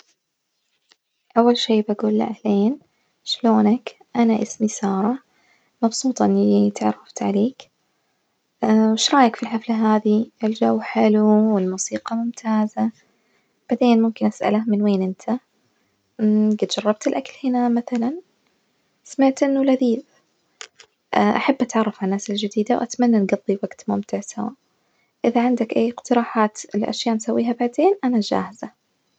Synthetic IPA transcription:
ʔawːalʃeːbaɡuːlːa̰ʔahleːn | ʃloːnak | ʔanaʔɪsmisɑːɾˤɑ | mɑbsˤuːt̪ˤɑʔɪnːit̪aʕɾˤːɑft̪ʕaleːk | wɪʃɾˤɑːjakfilħaflaɦaːðiɪld͡ʒawːħɪluwɪlmuːsiːqɑmʊmt̪ʰaːza | b̥aʕd̪eːnmʊmkɪnʔasʔa̰lahmɪnweːnʔɪnt̪ʰa | ɡat̪d͡ʒɑrˤːɑb̚t̪ɪlʔakalhɪnamaθalan | samaʕt̪ʔɪnːulaðiːb | ʔʔaħabːʔat̪ʕɑrˤːɑfʕanːaːsɪld͡ʒɪd̪iːd̪awʔat̪manːanɡɑðˤːiwaɡt̪mʊmt̪ɪʕsawa̰ːʔ | ʔɪðaʕɪnd̪akʔajːɪqt̪ɪɾɑːħaːt̪lʔa̰ʃjaːʔnsawːiːɦabaʕd̪eːnʔanad͡ʒa̰ːhɪz̥a

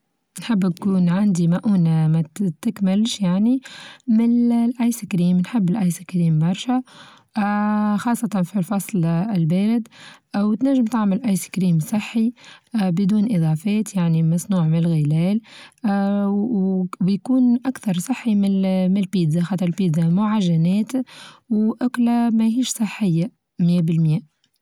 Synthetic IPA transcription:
nħɪb̪ːkuːnʕand̪imaʔuːnamæt̪ɪkmɪlʃjaʕnimɪnʔajskɾiːmnħɪbːɪlʔajsikɾiːmbɑɾˤʃæ | xɑːsˤːɑt̪ɑnfilfɑsˤlɪlbæːɾad̪wt̪næʒːɪmt̪aʕmɪlʔɑjskɾiːmsˤɨħːibɪd̪uːnʔɪðˤɑːfɛːt̪jaʕnimæsˤnuːʕmɪnɪlɣɪlɛːl | ɪjkuːnʔakθɑɾˤsˤɑħːimɪmɪlpiːd̪zaxɑt̪ɑɾˤlpiːd̪zamʊʕaʒːænɛːt̪wʔʊklamæɦiːʃsˤɨħːɪjːa | mjæbɪlmjæːʔ

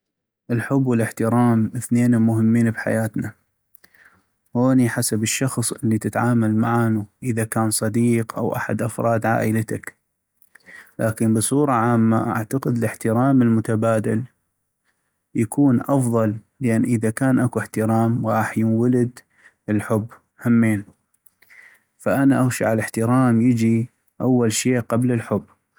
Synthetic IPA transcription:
ʔəlħʊbːwɪlɪħt̪ɪɾaːmʔəθneːnmʊhəmːiːnbħa̰jaːt̪na | hoːniħasabəʃːɑxsˤʔəlːit̪ɪt̪ʕaːmalmaʕanuʔəðakaːnsˤɑd̪iːqʔa̰wʔa̰ħa̰d̪ʔɑfɾˤʔɑːd̪ʕa̰ːʔəlat̪ak | lʔaːkənbɨsˤuːɾˤɑʕaːmːa̰ʔa̰ʕt̪aqɪd̪əlɪħt̪ɪɾaːməlmʊt̪abaːd̪al | jakʰuːnʔɑfðˤɑlː | əʔanːʔəðakaːnʔakuħt̪ɪɾɑːmwɑːħjunwalɪd̪ | əlħʊbː | hamːeːn | faʔanaʔaɣʃiʕalɪħt̪ɪɾaːmjɪd͡ʒi | ʔawːalʃeːʔqɑbləlħʊbː

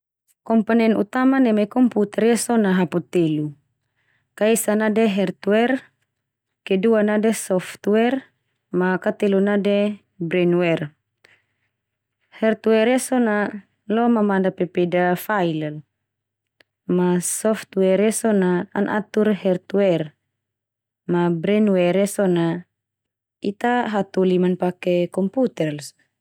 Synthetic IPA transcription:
kɔmpanɛnut̪amanɛmɛkɔmput̪ɛrjasɔnaɦaput̪elu | kaisanadɛɦɛrt̪wɛr | kɛduanadɛsɔft̪wɛr | makat̪elunadɛ | bɾɛnwɛr | hɛrt̪wɛrjasɔna | lɔmamandapɛpedafailal | masɔft̪wɛrjɛsɔna̰ːnʔa̰t̪urɦɛrt̪wɛr | mabɾɛnuwɛɾjɛsɔna | it̪aɦat̪ulimanpakɛkɔmput̪ɛrs

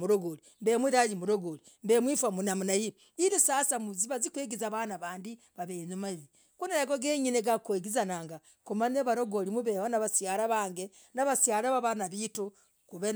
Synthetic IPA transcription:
muɾoɡoli | mbemwiɾaɾimuɾoɡoli | mbemwifwamunamunaji | iɾusasamuziβazikweːɡizaβanaβaːndi | βaβeɲumaβi | kunaɾaɡoɡeɲineɡakweɡizanaŋɡa | kumaneβaɾoɡolimuβehonaβasjaɾaβaːŋɡe | naβasjaɾaβaβanaβitu | kuβe

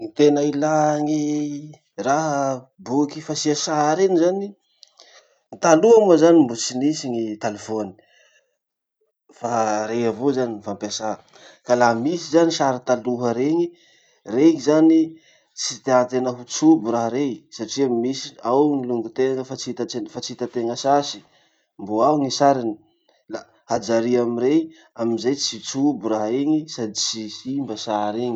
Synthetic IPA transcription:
nit̪enailaŋi | raɦə | bukifasiasaɾenizani | nit̪aluamazanimbut͡sinisiŋit̪alefoni̥ | faɾeavozaninifampasa | kalamisizaniʃaɾət̪aluɦəɾeŋi | reŋizani | t͡sit̪eant̪enəɦut͡subuɾaɦɾesaʈ͡ʂiamisi̥awŋiluŋɡut̪eŋəfat͡sit̪aefat͡sit̪ət̪eŋəsasi̥ | mboaŋisaɾini | la | had͡ʒaɾiamiɾe | aminzajt͡sit͡subuɾaɦeŋisad̪it͡sisimbəsaɾeŋi

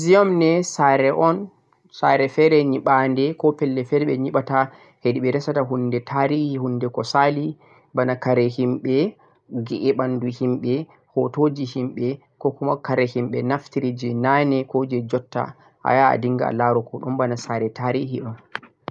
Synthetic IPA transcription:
ziɔmnɛsaɾɛʔɔn | saɾɛfɛɾɛɲiɓandɛkɔpɛlːɛfɛɾɛɓɛɲiɓata | hediɓɛɾɛsataɦundɛtʰaɾihihunːdɛkɔsali | banakaɾɛhimɓɛ | ɡɛʔɛɓanduhimɓɛ | hɔtod͡ʒihimɓɛ | kɔkumakaɾɛhimɓɛnaftiɾid͡ʒɛnanɛkod͡ʒɛd͡ʒɔtːa̰ | ha̰ja̰ːdiŋɡa̰a̰laɾɔkʰɔɗɔmbanasaɾɛtaɾihiʔɔn

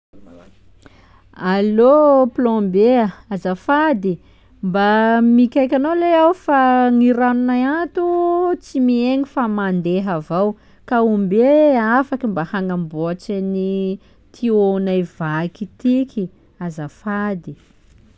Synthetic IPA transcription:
aloplõmbeaazafad̪i | mbamikʲajkʲanoleawfaŋiɾanunajat̪ut͡simieŋifamand̪eɦavaw | kaumbeafakimbahaŋamboat͡ʃani | t̪ʰionajv̥akit̪ikʲʰi | azafad̪i

